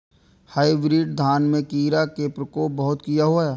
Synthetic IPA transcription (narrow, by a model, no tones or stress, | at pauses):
haːibɾiːɖd̪ʱaːnmẽkiːɾakepɾəkoːp̚bɐɦʊt̪kijaɦuaɛː